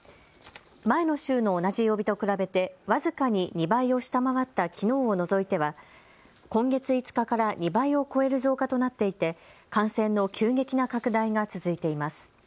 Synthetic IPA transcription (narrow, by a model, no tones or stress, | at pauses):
mae̞no̞ɕɨːno̞ːnaʑijo̞ːbʲit̪o̞kɯ̟ɾabe̞t̪e̞βazɨkaɲ̟iɲ̟ibaio̞ɕi̥t̪amaβat̪ːakʲino̞ːono̞zo̞it̪e̞βa | kõ̞ŋɡe̞t͡sɨit͡sɨ̥kakaɾaɲ̟ibaio̞ko̞e̞ɾɯ̟zo̞ːkat̪o̞nat̪ːe̞it̪e̞kãɰ̃sẽ̞nːo̞kʲɨːɡe̞kʲinakakɯ̟d̪aiŋat͡sɨzɨit̪e̞imasɨ̥